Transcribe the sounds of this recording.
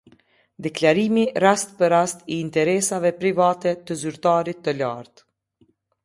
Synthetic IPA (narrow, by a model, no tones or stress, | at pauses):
d̪ɛklaɾimirast̪pəɾast̪iːnt̪ɛɾɛsavɛpɾivat̪ɛt̪əzyɾt̪aɾit̪ːəlaɾt̪